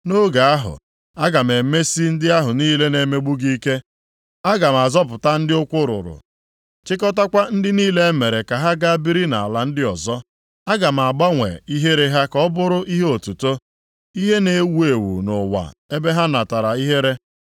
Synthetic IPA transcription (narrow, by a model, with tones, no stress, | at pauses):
no˦ɡa˨a˦ɦʊ̰˨ | a˦ɡa˨m˨e˨me˦si˦n̩˦dɪ˦a˦ɦʊ˨niː˦le˦ne˨me˦ɡ͡bu˦ɡi˦ke˦ | a˦ɡa˨m˨a˨zɔ˦p̬ʊ˨ta˦n̩˦dɪ˦ʊ˦kʷʊ˦ɾʊ̰˨ɾʊ̰˨ | t͡ʃɪ˦kɔ˦ta˦kʷa˦n̩˦dɪ˦niː˦le˦me˨ɾe˨ka˨ɦa˦ɡa˦bi˦ɾi˦na̰˨a˨la˨n̩˦dɪ˦ɔ˨zɔ˦ | a˦ɡa˨m̩˨a˨ɡ͡ba˦ŋʷḛ˨i˦ɦe˦ɾe˦ɦa˦kɔ˦bʊ˦ɾʊ˦ʔi˦ɦe˦o˨tu˨to˦ | i˦ɦe˦ne˨˦wu˦e˨wṵ˨nʊ˨wa̰˨e˦be˦ɦa˦na˨ta˨ɾa˨i˦ɦe˦ɾe˦